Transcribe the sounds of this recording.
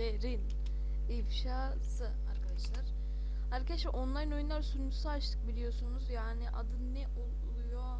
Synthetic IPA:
eɾin | ifʃaː | sɯ | aɾkʰad̪aʃlˠaɾ̥ | aɾkʰad̪aʃɛʔo̞nlˠajɯno̞junlˠaɾsuɾmysaat͡ʃt̪ʰɯ̥k̚bilʲijo̞sunuzjaːniʔad̪ɯnːɛʔo | lˠujo̞

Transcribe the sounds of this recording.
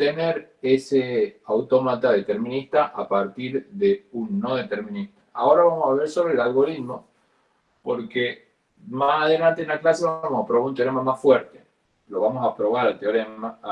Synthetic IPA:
t̪eneɾ | eseawt̪omat̪aðet̪eɾmĩnist̪aʔapaɾt̪iɾðeunːoðet̪eɾmĩnist̪ḁao̞ɾaβamosaβeɾsoβɾelalɣo̞ɾit̪mo̞ | po̰ɾke | masaðelant̪enlaklaseβaamosapɾoβaɾunt̪joɾemamasfweɾt̪e | lo̞βamosapɾo̞βaɾalt̪joɾema

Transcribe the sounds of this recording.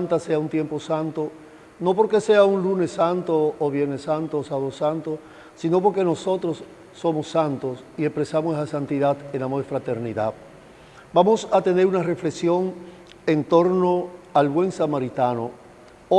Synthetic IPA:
nt̪ase̞aunt̪je̞mpo̞sant̪o | no̞po̞ɾke̞se̞aunlune̞sːant̪oːβjeɾnesant̪oːsaβosant̪o | sino̞p̬o̞ɾke̞no̞so̞t̪ɾo̞sː | o̞mo̞sːant̪os | iespɾe̞samosaesant̪iðat̪enamoɾefɾat̪e̞ɾniða̰ | bamo̞sat̪ene̞ɾunare̞fle̞ksjo̞ŋ | ent̪o̞ɾno̞alβwe̞ŋsamaɾit̪ano | o

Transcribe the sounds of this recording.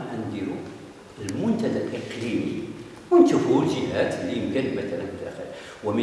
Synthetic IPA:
ʕænd̪iɾṵ | əlmʊnt̪æd̪ælʔəqlimḭ | wənt̪əbulʒəhæt̪lːimkænəlmæt̪ælænfəd̪æ̰xə̰l | wəmə

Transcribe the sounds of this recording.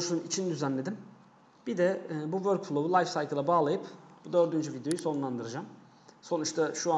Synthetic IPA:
ouʃunumit͡ʃʰind̪yzænlʲe̞d̪im | b̥id̪ɛːbuvøɾkfulˠoβɯlˠajfsajkʰɯlˠabaːlˠajɯpbud̪ø̞ɾd̪ynd͡ʒyvid̪jo̞jysonunlˠand̪ɯɾɯd͡ʒam | so̞nut͡ʃt̪ʰaʃua

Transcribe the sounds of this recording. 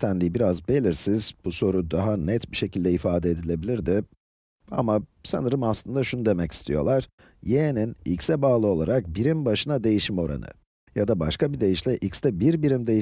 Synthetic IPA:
t̪ʰænlʲijbiɾazbe̞lʲiɾsizb̥uso̞ɾud̪aɦanɛt̪biʃe̞cʰilʲd̪ɛifaːd̪ɛed̪ilʲe̞bilʲiɾd̪ɪ | a̰masa̰nɯɾɯmaslˠɯnd̪aʃunud̪e̞mɛci̥st̪ʰijo̞̰lˠaɾ̥ | jeninḭcsɛbaːlˠɯo̞lˠa̰ɾak̚biɾimbaʃɯnad̪e̞jiʃimo̞ɾa̰nɯ̰ | jad̪abaʃkabid̪e̞jiʃlʲɛʔicst̪ɛbiɾbiɾimd̪ej

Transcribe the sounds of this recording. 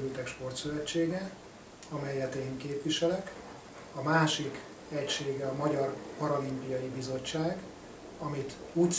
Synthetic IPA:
ylt̪ɛkʃpo̞rt̪søvɛt͡ʃːeːɡɛ | ɒmɛjːɛt̪eːŋkeːpʋiʃɛlɛk | ɒmaːʃik | ɛcʃeːɡɛɒmɒɟɒrpɒɾolimpijɒjibizo̞t͡ʃːaːɡ | ɒmit̪ | ut̪

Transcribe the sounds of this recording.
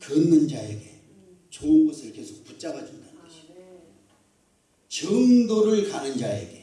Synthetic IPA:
kɯnːɯnd͡ʑaeɡe | t͡ɕoɡʌsʰɯɾkesʰok̚put͡ɕ͈aɡad͡ʑuŋdanɡi | t͡ɕɯŋdoɾɯɭkanɯnd͡ʑae̞̰ɡe̞

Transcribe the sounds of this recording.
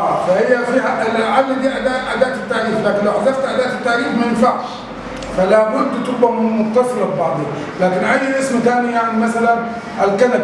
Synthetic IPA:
fahɪjːafiːɦalɪʕalːd̪iːʔad̪aːʔʔad̪aːʔt̪ɪt̪ːaʕɾiːflaːkɪnlawʔazɑɾt̪ʔad̪aːʔt̪ɪt̪ːaʕɾiːfmajɪnfaʕʃ | falamʊnt̪t̪ɪb̚bamʊxt̪ɑsˤɨlɑbbɑʕd̪ˤi | laːkɪnʔajːʔɪsmat̪aːnijaʕnimasalan | ʔalkana

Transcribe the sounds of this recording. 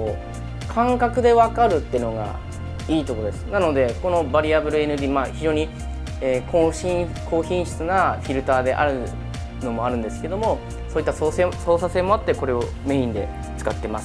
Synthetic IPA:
o | kʰãŋkakɯ̟d̪e̞βakaɾɯ̟t̪ːeɯ̟no̞ɡa̰ | iːt̪o̞kod̪e̞sɨ̥nano̞d̪e̞ko̞no̞baɾʲiabɯ̟ɾɯ̟e̞nɯ̟d̪ʲiːmaːçiʑo̞ːɲ̟i | eːkoɕĩ | kʰo̞ːçĩɰ̃ɕɨ̥t͡sɨnaɸʲiɾɯ̟t̪aːd̪e̞̰ʔa̰ɾɯ̟ | no̞mo̞aɾɯ̟̃nd̪e̞sɨ̥ke̞d̪o̞mo̞ | soːit̪ːasoseso̞ːsase̞mo̞at̪ːe̞ko̞ɾe̞o̞ | me̞ĩnd̪e̞̰ | t͡sɨ̥kat̪ːe̞masɨ

